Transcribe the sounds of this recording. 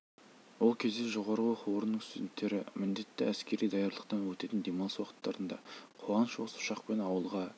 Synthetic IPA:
wo̞lˠkʲʰe̞zd̪eʒo̞ʁɑɾəwoquwəɾənəɴst̪d̪ent̪ːe̞ɾɪmɪnd̪e̞t̪ːɪæskʲe̞ɾijd̪ɑjɑɾlˠəq̚t̪ɑnwɵt̪e̞t̪ɪnd̪emɑnswɑqə̥t̪ːɑɾənd̪ɑ̰qʰoʁɑnəʃoəsʊ̥ʃɑqpe̞nɑwəlˠʁɑ

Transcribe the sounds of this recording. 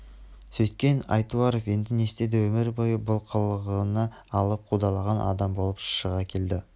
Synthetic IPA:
sɵjt̪̚kʲe̞nɑ̰jt̪uɑɾofje̞nd̪ɪne̞st̪e̞d̪ewɵmɪɾbojbʊlˠqʰəlˠʁənɑː | lˠəp̚qʰud̪ɑlˠɑʁɑnʔɑ̰d̪ɑmbo̞lˠəpʃʃəʁɑkʲʰe̞ld̪ɪ

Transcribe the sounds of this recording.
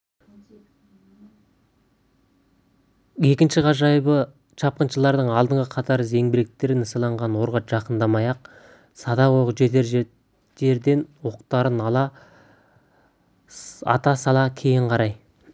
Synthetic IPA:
je̞kʲɪnʃɪʁɑʒɑjbə | ʃɑp̚qənʃəlˠɑɾd̪əɴɑlˠd̪əɴʁəqʰɑt̪ɑɾze̞ŋbɪɾek̚t̪e̞ɾɪnəsɑlˠɑɴʁɑnwo̞ɾʁɑʒ̥ɑqənd̪ɑmɑjɑq̚ | sɑd̪ɑwoqəʒe̞d̪eɾ | d̪e̞ɾd̪e̞nwo̞qt̪ɑɾənɑlˠɑ | ɑ̰t̪ɑsɑlˠɑkʲʰe̞jɪɴqʰɑɾɑj

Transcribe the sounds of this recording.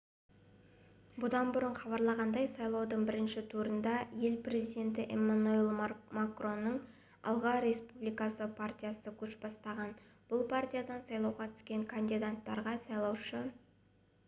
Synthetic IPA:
bʊd̪ɑnbʊɾəɴχɑβɑɾlˠɑʁɑnd̪ɑjsɑjlˠɑwd̪əɴbɪɾɪnʃɪt̪ʰuɾənd̪ɑje̞lprʲe̞zijd̪ʲe̞nt̪ɪʔemanuelˠmakro̞nːəɴ | ɑ̰lˠʁɑɾe̞spublijkɑsəpʰart̪ʲijasəkʲʰɵʃbɑst̪ɑʁɑn | b̥ʊlˠpʰart̪ʲijad̪ɑnsɑjlˠɑwʁɑt̪ʰʏ̥skʲe̞ŋkʰand̪id̪at̪ːɑɾʁɑsɑjlˠɑwʃə

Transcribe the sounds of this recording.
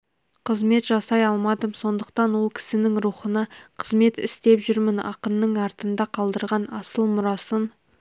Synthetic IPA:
qʰəzme̞t̪ʒɑsɑjɑlˠmɑd̪əmso̞nd̪əq̚t̪ɑnwo̞lˠkʲʰɪ̥sɪnɪŋɾuχənɑqʰəzme̞t̪ɪ̰st̪e̞pʒʏɾmɪnɑ̰qənːəɴɑɾt̪ənd̪ɑqʰɑlˠd̪əɾʁɑnɑsəlˠmʊɾɑsən

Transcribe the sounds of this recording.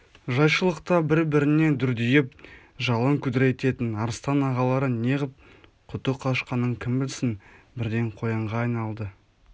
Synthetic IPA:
ʒɑjʃəlˠəqt̪ɑbɪɾbɪɾɪne̞d̪ʏɾd̪ʏjɪp̚ | ʒɑlˠəŋkʲʰʉd̪ɪɾe̞t̪e̞t̪ɪnɑɾst̪ɑnɑʁɑlˠɑɾəne̞ʁɪp̚ | qʰʊt̪əqʰɑʃqɑnːəɴkʲʰɪmbɪlsɪnbɪɾd̪e̞ɴqʰo̞jɑɴʁɑːjnɑlˠd̪ə

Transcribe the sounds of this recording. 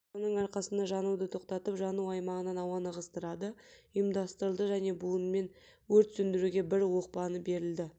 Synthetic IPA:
sonəɴɑɾqɑsənd̪ɑʒɑnuwd̪ət̪ʰo̞qt̪ɑt̪əpʒɑnuwɑjmɑʁənɑnɑwɑnɑʁəst̪əɾɑd̪əijmd̪ɑst̪əɾəlˠd̪əʒæne̞buənme̞n | wɵɾt̪sɵnd̪ɪɾuɡʲe̞bɪɾwo̞q̚pɑnəbe̞ɾɪld̪ɪ

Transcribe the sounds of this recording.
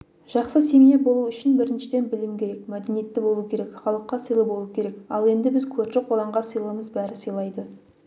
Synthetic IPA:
ʒ̥ɑqsəse̞mijebo̞lˠuʏʃɪnbɪɾɪnʃɪd̪e̞nbɪlɪmkʲʰe̞ɾe̞kmæd̪enije̞t̪ːɪbo̞lˠukʲʰe̞ɾe̞kχɑlˠəqːɑsəjlˠəbo̞lˠuukʲʰe̞ɾe̞kɑ̰lˠe̞nd̪ɪbɪzkʲʰɵɾʃɪqʰo̞lˠɑɴʁɑsəjlˠəəməzbæɾɪsəjlˠɑjd̪ə

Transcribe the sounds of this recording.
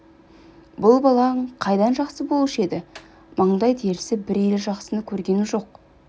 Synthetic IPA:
bʊlˠbɑlˠɑɴqʰɑjd̪ɑnʒɑqsəbo̞lˠɪʃe̞d̪ɪ | mʔəɴd̪ɑjt̪ʰe̞ɾɪsɪbɪɾjelʒɑqsənəkʲʰɵɾɡʲe̞nɪʒo̞q̚

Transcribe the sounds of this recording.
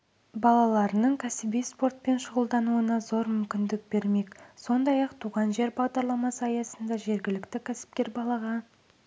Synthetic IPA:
bɑlˠɑlˠɑɾənəɴkʲʰæsɪbijspo̞rt̪̚pe̞nʃʊʁəlˠd̪ɑnuənɑzo̞ɾmʏmkʲɪnd̪ɪk̚be̞ɾme̞kso̞nd̪ɑjɑqt̪ʰuʁɑnʒe̞ɾbɑʁd̪ɑɾlˠɑmɑsəɑjɑsənd̪ɑʒe̞ɾɡʲɪlɪkt̪ɪkʲʰæsɪ̥p̚kʲe̞ɾbɑlˠɑʁɑ

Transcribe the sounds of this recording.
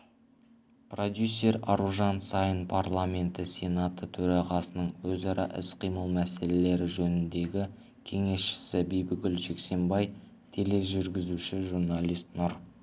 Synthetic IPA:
pro̞d̪jusʲːe̞ɾɑ̰ɾuʒɑnsɑjənpʰarlˠamʲe̞nt̪ɪsʲe̞nat̪ət̪ʰɵɾɑʁɑsənəɴwɵzɑɾɑ̰ʔɪsqʰijməlˠmæse̞le̞le̞ɾɪʒɵnɪnd̪e̞ɡʲɪ | kʲʰe̞ŋe̞sʃɪ̥sɪbijbɪɡʲɪlʒe̞kse̞mbɑj | t̪ʰele̞ʒʏɾɡʲɪzuʃɪʒurnalʲijst̪nʊɾ

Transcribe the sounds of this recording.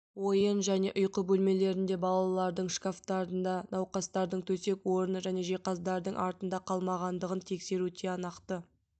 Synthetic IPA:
wo̞jənʒæne̞̰ʔʊjqəbɵlme̞le̞ɾɪnd̪e̞bɑlˠɑlˠɑɾd̪əɴʃkaft̪ɑɾənd̪ɑnɑwqɑst̪ɑɾd̪əɴt̪ʰɵse̞kwo̞ɾənəʒæne̞ʒeqɑzd̪ɑɾd̪əɴʔɑɾt̪ənd̪ɑqʰɑlˠmɑʁɑnd̪əʁənt̪ʰe̞kse̞ɾut̪ʰeɑnɑqt̪ə

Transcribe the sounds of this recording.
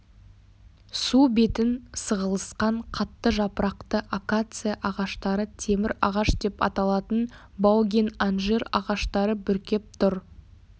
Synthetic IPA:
sube̞t̪ɪnsəʁəlˠəsqɑɴqʰɑt̪ːəʒɑpəɾɑqt̪əʔakat̪sɨjaʔɑʁɑʃt̪ɑɾət̪ʰe̞mɪɾɑʁɑʃd̪e̞pɑ̰t̪ɑlˠɑt̪ən | bɑwɡʲenanʒeɾɑ̰ʁɑʃt̪ɑɾəbʏɾkʲe̞p̚t̪ʰʊɾ

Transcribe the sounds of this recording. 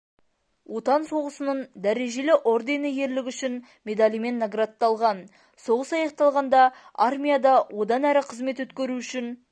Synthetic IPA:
wo̞t̪ɑnso̞ʁəsənəɴd̪æɾe̞ʒe̞lɪʔo̞rd̪e̞nəje̞ɾlɪkʲʏʃɪn | mʲe̞d̪alʲijme̞nːaɡrat̪ːɑlˠʁɑn | so̞ʁəsɑjɑq̚t̪ɑlˠʁɑnd̪ɑarmʲijad̪ɑwʔo̞d̪ɑnæɾɪqʰəzme̞t̪wɵt̪kʲeɾuʏʃɪn

